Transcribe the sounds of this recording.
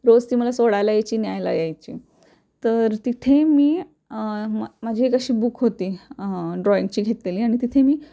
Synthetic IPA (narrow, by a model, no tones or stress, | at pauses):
ɾod͡zt̪iːməlasoɽajlajet͡ɕiːnjajla̰jajt͡ɕiː | t̪əɾt̪it̪ʰemiː | məd͡ʑʱiːekəɕiːbukɦot̪iːɖɾɔint͡ɕiːɡʱet̪leliːaɽ̃it̪it̪ʰemiː